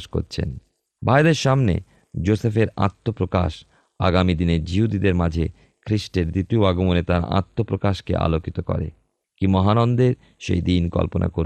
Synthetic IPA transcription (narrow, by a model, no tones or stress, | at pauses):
ʃko̰ɾt͡ɕʰḛn | bʱaed̪eɾʃamnḛ | d͡ʑosefeɾa̰t̪ʰːopɾoka̰ʃ | a̰ɡamid̪ined͡ʑiɦud̪id̪eɾmad͡ʑʱe | kʰɾiʃʈeɾd̪ɾit̪ioaɡomonet̪aɾa̰t̪ʰːopɾokaʃkḛʔa̰lokit̪okɔ̰ɾḛ | kimɔɦanɔnd̪eɾ | ʃḛjd̪inkɔ̰lponʔa̰koɾ